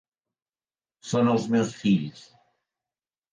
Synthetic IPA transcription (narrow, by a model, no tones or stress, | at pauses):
sonəlˠzmɛwsfiʎs